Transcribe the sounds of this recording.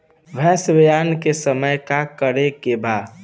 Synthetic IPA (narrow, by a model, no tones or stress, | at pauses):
ʋʱɛːsbɪjankesəməjkakəɾekeba